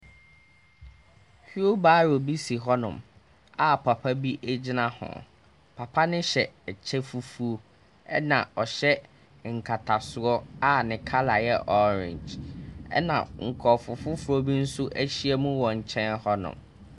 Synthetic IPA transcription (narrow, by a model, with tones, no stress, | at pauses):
hi˦o˦baː˦ɾo˨bi˦si˨ɦɔ˦nʊ̰̃˨m | a˨pʰa˨pʰa˦bi˦ʔæ˦d͡ʑi˦nã˦hɔ̰̃˨ | pʰa˨pʰa˦nɪ̃˦ɕɛ˨t͡ɕʰɛ˦fu˦fu˦o˦ | ɛ˦nã˨ɔ˨ɕɛ˦ | ŋ̩˨kʰa˨tʰa˨sʊ˨ɔ˦a˦nɪ̃˨kʰa˦la˨jɛ˦ʔɔ˦ɾɪ̰̃˨ɲd͡ʑɛ̰˦nã̰˨ŋ̩˨kʰɔ˨fʊ˨fʊ˦fʊ˦ɾo˦bi˦n̩˦sʊ˦ʔæ˦ɕi˦ɛ˦mũ˦wɔ˨ɲ̩˨t͡ɕʰɛ̃˦nhɔ˦nʊ̰̃˨m